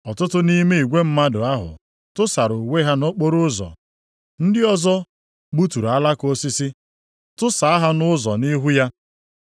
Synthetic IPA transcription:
ɔ˨tʊ˦tʊ˦ni˦me˦i˨ɡʷe˦m̩˦ma˦dʊ˨a˦ɦʊ̰˨ | tʊ˦sa˨ɾʊ˨we˦ɦa˦no˦k͡po˦ɾʊ˦zɔ̰˨ | n̩˦dɪ˦ɔ˦zɔ˦ | ɡ͡bu˦tu˨ɾa˦la˦ko˦si˦si˦ | tʊ˦sa˨a˦ɦa˦nʊ˦zɔ̰˨ni˦ɦu˦ja˦

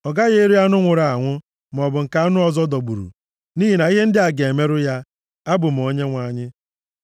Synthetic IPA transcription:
ɔ˨ɡa˦ɣe˦ɾi˦ja˦nʊ˦ŋʷʊ˨ɾa˨a˨ŋʷʊ˦ | m˨ɔ˨bʊ˨ŋ̩˨ka˨˦a˦nʊ˦ɔ˨zɔ˦dɔ˨ɡ͡bṵ˨ɾṵ˨ | niː˦ɦi˨na˨i˦ɦe˦n̩˦dɪ˦a˨ɡe˨me˦ɾʊ˦ja˦ | a˦bʊ˨m̩˨o˦ɲe˦ŋʷa˦ɲɪ˦

